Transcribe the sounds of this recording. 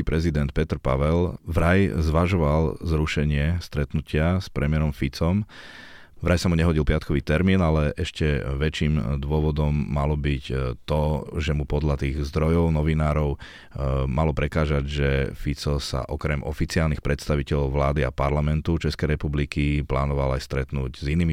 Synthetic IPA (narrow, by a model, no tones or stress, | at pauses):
ipɾɛzid̪ɛnt̪̚pɛt̪ɾpaʋɛlʋɾajzʋaʒɔʋalzɾuʃɛɲɪɛst̪ɾɛt̪nucɪaspɾɛmɪɛɾɔmfit͡sɔm | vɾajsamuɲɛɦɔɟilpɪat̪kʰɔʋiːt̪ɛɾmiːnalɛʔɛʃcɛʋɛt͡ʃiːmd̪ʋʊɔʋɔd̪ɔmːalɔbict̪ɔʒɛmupɔd̪ʎat̪iːɣzd̪ɾɔjɔʊnɔʋinaːɾɔʊ | malɔpɾɛkaːʒaɟʒɛfit͡sɔsa̰ʔɔkɾɛmʔɔfit͡siaːlnixpɾɛt̪st̪aʋicɛʎɔʊʋlaːd̪ia̰paɾlamɛnt̪ut͡ʃɛskɛjɾɛpublikiplaːnɔʋalajst̪ɾɛt̪nuɟziniːmi